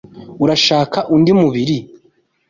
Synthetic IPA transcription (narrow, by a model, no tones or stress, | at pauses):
uɾaʃaːkaʔundimuβiɾi